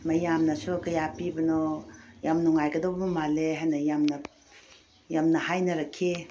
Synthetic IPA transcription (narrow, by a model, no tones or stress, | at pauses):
mɐjamnɐsukɐjapibɐnojamnuŋajɡɐdowbɐbɐmaleɦajnɐjamnɐ | jamnɐhajnɐɾɐkʰːi